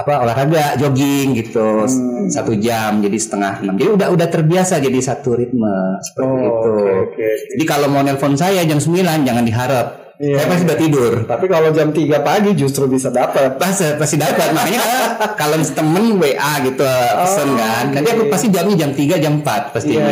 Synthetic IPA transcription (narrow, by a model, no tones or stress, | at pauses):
apaolahɾaɡaʔd͡ʒoɡɪŋɡit̪usat̪ud͡ʒamd͡ʒadisə̥t̪əŋaht̪əmənd͡ʒadiudaɦudaht̪ərbiasad͡ʒadisat̪uɾɪt̪̚məsə̥pərtiɡit̪ukd͡ʒadikalomanɛlfonsajad͡ʒamsəmbiland͡ʒaŋandiɦaɾəp̚ | sajapast̪iudaht̪idʊrt̪apikalod͡ʒamt̪iɡapaɡid͡ʒus̬t̪ɾubisadapət̪̚pasəpast̪idapət̪̚makaɲakakalonsə̥t̪əmənweʔaɡit̪upəsənkanənant̪iakupast̪id͡ʒamɲad͡ʒamt̪iɡad͡ʒampat̪̚past̪i